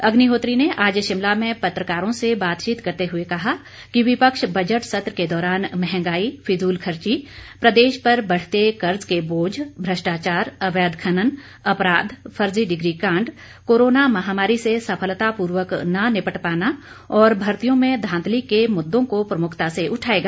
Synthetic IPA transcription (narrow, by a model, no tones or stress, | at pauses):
ɐɡniɦoːt̪ɾineʔaːd͡ʒʃɪmlamẽpɐt̪ɾəkaːɾõsebaːt̪t͡ʃiːt̪kɐɾt̪eɦʊekɐɦa | kiʋɪpəkʃbɐd͡ʒəʈsɐt̪ɾəked̪ɔːɾaːnmɛɦɛ̃ŋɡaːipʰɪzuːlkʰəɾt͡ʃipɾəd̪eːʃpɐɾbɐɽ̤t̪ekɐɾzkeboːd͡ʒbʱɾəʃʈaːt͡ʃaːɾɐʋɛːd̪kʰɐnən | ɐpɾaːd̪pʰɐɾd͡ʒiɖɪɡɾikãːɳɖ | koːɾoːnamɐɦaːmaːɾisesɐpʰəlt̪apuːɾwəknɐnɪpəʈpaːna | ɔːɾbʱɐɾt̪ijõmẽd̪ʱãːnd̪likemʊd̪ːõkopɾɐmʊkʰt̪aseʔʊʈʰaːeːɡaː